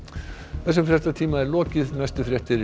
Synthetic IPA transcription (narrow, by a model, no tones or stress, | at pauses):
θɛs̬ːʏmfɾjɛst̪at̪ʰiːmaɛɾlɔːcɪðnajst̪ʏfɾjɛht̪ɪɾ